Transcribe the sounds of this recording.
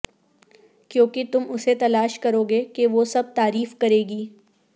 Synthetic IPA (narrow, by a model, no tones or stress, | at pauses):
kjõːkit̪ʊmʊset̪ɐlaːʃkɐɾoːɡekeʋosɐb̚t̪aːɾiːfkɐɾeːɡiː